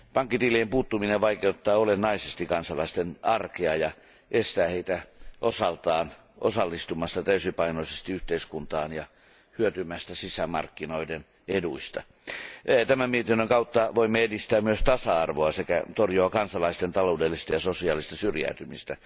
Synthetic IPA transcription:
pɑŋkːit̪iliempuːt̪ːumineʋʋɑikeut̪ːɑːolenːɑisest̪ikɑnsɑlɑist̪enɑrkeɑjɑ | ʔest̪æːheit̪æʔosɑlt̪ɑːn | ʔo̰sɑlːist̪umɑst̪ɑt̪æysipɑinoisest̪iyht̪eiskunt̪ɑːnjɑ | hyøt̪ymæst̪æsisæmɑ̰rkːinoiden | eduist̪ɑ̰ | t̪æmæmmiet̪inːøŋkɑut̪ːɑʋoimːeedist̪æːmyøst̪ɑsɑɑrʋoɑsekæ̰t̪orjoɑkɑnsɑlɑist̪ent̪ɑloudelːist̪ɑjɑsosiɑːlist̪ɑsyrjæ̰yt̪ymist̪æ

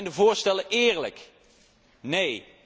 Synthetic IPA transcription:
jndəvʊːɹstɛləʔɪːɹlək | nej

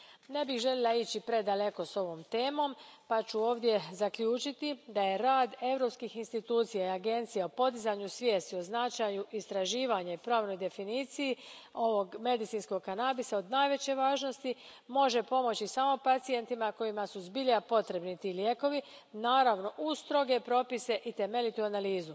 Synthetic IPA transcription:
ne̞bixʒe̞lʲelˠait͡ɕipɾe̞d̪ale̞ko̞so̞ʋo̞ːmt̪e̞ːmo̞mpat͡ɕuo̞ːʋd̪je̞zakʎuːt͡ʃit̪id̪aje̞ɾaːd̪e̞vɾo̞pskixinst̪it̪uːt̪sijaiaɡe̞nt̪sijeo̞po̞d̪izaɲusʋje̞ːst̪io̞znat͡ʃajuʔist̪ɾaʒiːʋaɲaipɾaːʋno̞jd̪e̞finiːt̪sijio̞ʋo̞ɡme̞d̪it̪sinsko̞ɡkanabisao̞d̪naːjʋe̞t͡ɕe̞ʋaːʒno̞st̪imo̞ʒe̞po̞mo̞t͡ɕisaːmo̞pat̪sie̞nt̪imako̞imasuzbiʎapo̞t̪ɾe̞bnit̪iːlje̞ːko̞ʋi | naːɾaʋno̞ʔust̪ɾo̞ɡe̞pɾo̞pise̞ʔit̪e̞me̞ʎit̪uanaliːzu

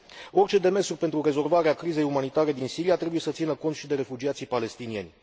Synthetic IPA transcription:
o̞rʲt͡ʃe̞d̪e̞me̞srpe̞nt̪ɾure̞zo̞lvaɾeakɾize̞jumanit̪aɾe̞d̪insiɾiat̪ɾe̞buje̞sət̪sinəko̞nt̪ʃid̪e̞ɾe̞fud͡ʒiat̪sijpale̞st̪inie̞nʲ

